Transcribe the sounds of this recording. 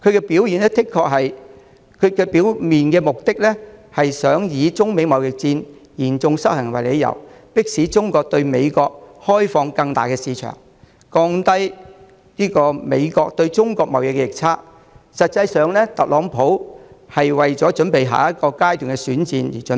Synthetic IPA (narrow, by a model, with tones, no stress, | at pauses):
kʰɵ˨˧ɥkɛ˧piː˨˥wjiː˨˩nɛː˥t̪ʰɪ˥kʰːɔː˧k̚ɦɐ˨j | kʰɵ˨˧ɥkɛː˧pi˨˥wmiː˨nkɛː˧mʊ˨k̚t̪ɪ˥k̚lɛ˥hɐ˨jsœː˨˥ŋjiː˨˧t͡sʊ˥ŋme˨˧jmɐ˨wjɪ˨k̚t͡siː˧njiː˨˩nt͡sʊ˧ŋsɐ˥k̚hɐ˨˩ŋwɐ˨˩jle˨˧jɐ̰˨˩w | pɪ˥k̚siː˨˥t͡sʊ˥ŋkɔː˧k̚t̪ɵ˧ɥme˨˧jkɔː˧k̚hɔː˥jfɔː˧ŋkɐ˧ŋt̪aː˨jkɛː˧siː˨˧t͡ʃʰœ̰ː˨˩ŋ | kɔː˧ŋt̪ɐ˥j | liː˥kɔː˧me˨˧jkɔː˧k̚t̪ɵ˧ɥt͡sʊ˥ŋkɔː˧k̚mɐ˨˩wjɪ˨k̚ːɛ˧jɪ˨k̚t͡sʰaː˥k̚ | sɐ˨t̚t͡sɐ˧jsœː˨ŋlɛː˥t̪ɐ˨k̚lɔː˨˧ŋpʰo˨˥whɐ˨jwɐ˨jt͡sɔː˨˥t͡ʃɵ˨˥npe˨jɦa̰ː˨˩jɐ˥t̚kɔː˧kaː˥jt̪yː˨˩ŋkɛ˧syː˨˥nt͡siː˧njḭː˨˩t͡ʃɵ˨˥